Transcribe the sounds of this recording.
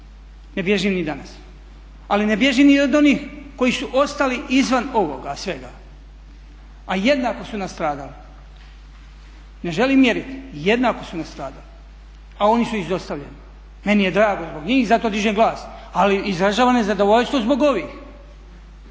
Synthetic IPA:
ne̞bje̞ʒimnid̪anas | aline̞bje̞ʒiːmniod̪o̞niːxko̞jisuʔo̞st̪aliʔizʋano̞ʋo̞ɡasʋe̞ɡa | aje̞d̪naːko̞sunast̪ɾaːd̪ali | ne̞ʒe̞liːmːjeɾit̪je̞d̪naːko̞sunast̪ɾaːd̪ali | ao̞nisuizo̞st̪aʋʎḛni | me̞nije̞d̪ɾaːɡozboɡɲiːxzat̪od̪iʒemɡlˠaːs | aliizɾaʒaːʋanezad̪o̞ʋo̞ʎst̪ʋo̞zbo̞ɡo̞ʋiːx

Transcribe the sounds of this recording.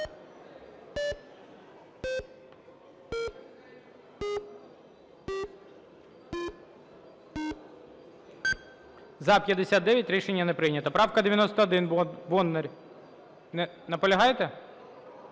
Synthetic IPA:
zɐpʲjɐd̪esʲat̪̚d̪ɛʋʲjɐtʲɾʲiʃenʲːɐnɛpɾɪjnʲɐt̪ɐpɾɑwkɐd̪eʋʲjɐnɔst̪ɐːd̪ɪnbɔnːerʲ | nɛ | nɐpɔlʲɐɦɑjt̪ɛ

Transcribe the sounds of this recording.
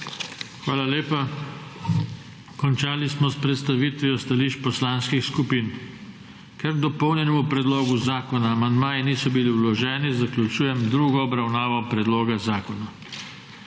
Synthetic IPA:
xʋaːlaleːpa | kɔnt͡ʃaːlismɔspɾɛt̪st̪aʋiːt̪ʋiɔst̪aliːʃt͡ʃpɔslaːnskixskupiːn | kɛɾd̪ɔpɔwnjɛnɔmupɾɛd̪loːɡuzaːkɔnaːmand̪maːjɛniːsɔbiliwlɔʒɛːnizaklʲut͡ʃuːjɛmd̪ɾuːɡɔɔbɾawnaːʋɔpɾɛd̪loːɡazaːkɔna

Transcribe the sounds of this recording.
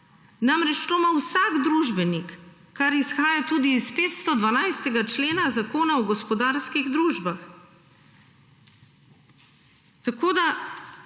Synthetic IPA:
namɾɛt͡ʃt̪omawsaɡd̪ɾuːʒbɛnikː | aɾisxaːjat̪uːd̪iːspeːt̪st̪ɔd̪ʋanajst̪ɛɡat͡ʃleːnazakoːnaɔɡɔspɔd̪aːɾskiɣd̪ɾuːʒbax | t̪akoːd̪a

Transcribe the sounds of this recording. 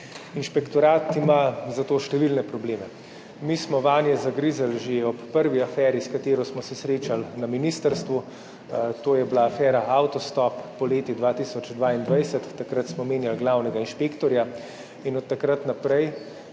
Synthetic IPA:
inʃpɛkt̪ɔɾaːt̪imazat̪oːʃt̪ɛʋilnɛpɾɔbleːmɛ | mismɔʋaːnjɛzaɡɾizalʒeɔpːəɾʋiafɛːɾiskat̪eːɾɔsmɔsɛsɾeːt͡ʃalnaminist̪əɾst̪ʋu | t̪oːjɛblaːfɛːɾaʔawt̪ɔst̪ɔpːɔleːt̪id̪ʋaːt̪isɔt͡ʃd̪ʋaːind̪ʋajsət̪ːakɾat̪smɔmeːnjalɡlaːwnɛɡainʃpeːkt̪ɔɾja | inɔt̪ːakɾat̪napɾɛj

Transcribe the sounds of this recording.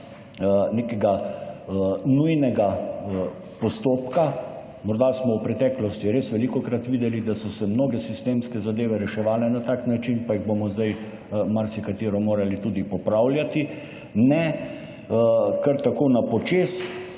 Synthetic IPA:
nekɛɡa | nujnɛɡa | pɔst̪oːpka | mɔɾd̪asmɔwpɾɛt̪ɛːklɔst̪iɾeːsʋɛlikɔkɾat̪ʋiːd̪ɛlid̪asɔsɛmnoːɡɛsist̪eːmskɛzad̪eːʋɛɾɛʃɛʋaːnɛnat̪aːknat͡ʃinpaiɣbomɔzd̪aj | maɾsikat̪iːɾɔmoːɾalit̪uːd̪ipɔpɾawlʲjat̪i | nɛ | kəɾt̪akoːnapɔt͡ʃeːs

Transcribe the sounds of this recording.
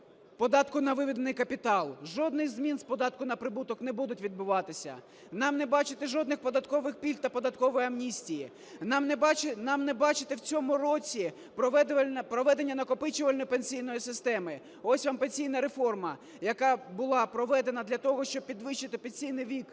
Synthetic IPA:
pɔd̪ɑt̪kʊnɐʋɪʋʲid̪enɪjkɐpʲit̪ɑlˠʒɔd̪nɪjzmʲinspɔd̪ɑt̪kʊnɐpɾɪbut̪ɔkn̪ɛbud̪ʊtʲʋʲid̪̚bʊʋɑt̪ɪsʲɐ̰ | nɑmnɛbɑt͡ʃɪt̪ɛʒɔd̪nɪxpɔd̪ɐt̪kɔʋɪxpʲilʲt̪ːɐpɔd̪ɐt̪kɔʋɔjiɐmnʲisʲtʲiji | nɑmnɛt͡ʃnɑmnɛbɑt͡ʃɪt̪ewt͡sʲɔmʊɾɔt͡sʲi | pɾɔʋɛpɾɔʋɛd̪e̞nʲːɐnɐkɔpɪt͡ʃʊʋɐlʲnɔjpenʲsʲijnɔjisɪst̪ɛmɪ | ɔsʲʋɑmpenʲsʲijn̪ɐɾefɔrmɐ | jɐkɑbʊlˠɑpɾɔʋɛd̪e̞nɐd̪lʲɐt̪ɔɦɔʃt͡ʃɔb̚pʲid̪ʋɪʃt͡ʃɪt̪ɪpenʲsʲijnɪjʋʲik

